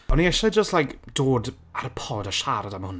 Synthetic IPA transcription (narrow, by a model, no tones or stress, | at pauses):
ɔniɛʃɛd͡ʒəstlˠajkd̥oːd | aɾəpʰɔdaʃaɾadamhʊn